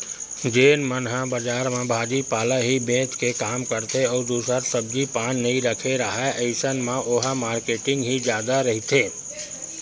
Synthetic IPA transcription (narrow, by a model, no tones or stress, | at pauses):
d͡ʒeːnmənɦãbɐd͡ʒaːɾmãbʱaːd͡ʒipaːlaɦibẽːt̪kekaːmkəɾt̪ʰeɔːd̪uːsəɾsɐb̚d͡ʒipaːnːɐɦĩɾɐkʰeɾəɦaʔəɪsənmãʔʊɦamaːɾkeːʈɪ̃ŋɡɦid͡ʒjaːd̪aɾɐɦit̪ʰeː